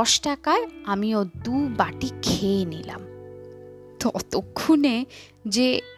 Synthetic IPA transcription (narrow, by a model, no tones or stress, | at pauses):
ɔʃʈakaeamiod̪ubaʈikʰeːnila̰m | t̪ɔt̪okʰːune | d͡ʑe